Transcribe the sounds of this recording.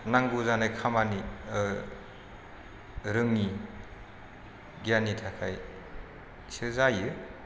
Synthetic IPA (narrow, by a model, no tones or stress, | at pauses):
naŋɡuzanajkʰamani | ɾɯŋni | ɡijanitʰakʰaj | sɯzajɯ